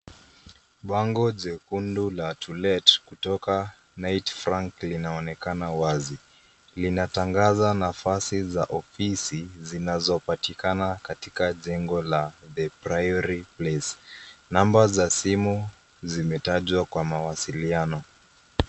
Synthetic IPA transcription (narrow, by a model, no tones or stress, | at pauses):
ɓaŋɡɔʄɛkundulatʰulɛtkutɔka | najtfɾaŋklinaɔnɛkanawazi | linataŋɡazanafasizaʔɔfisizinazɔpatikanakatikaʄɛŋɡɔlaðɛpɾajɔɾiplɛsnambazasimu | zimɛtaʄwakwamawasilianɔ